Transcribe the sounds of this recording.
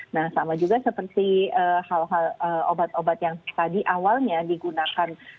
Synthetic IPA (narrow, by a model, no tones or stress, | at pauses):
nahsamad͡ʒuɡasəpərt̪iəhalɦaləobat̪obat̪jaŋt̪adiʔawalɲadiɡunakan